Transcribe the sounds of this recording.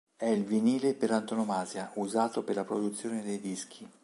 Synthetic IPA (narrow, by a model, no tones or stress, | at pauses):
ɛilviniːleperlant̪onomaːzjauzaːt̪operlapɾod̪ut̪sːjoːned̪ejd̪isk̟ʰi